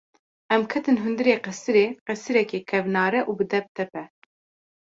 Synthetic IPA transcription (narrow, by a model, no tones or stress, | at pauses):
ɛmkʰɛt̪ɨnɦund̪ɨɾeːqɛsɨɾeːqɛsɨɾɛkeːkʰɛvnɑːɾɛʔuːbɨd̪ɛp̚t̪ʰɛpɛ